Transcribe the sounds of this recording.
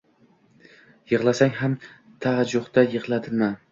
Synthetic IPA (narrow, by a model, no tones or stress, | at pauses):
jɨʁlˠasaŋɦam | t̪ʰad͡ʒoχt̪ajɨʁlˠad̪ɪma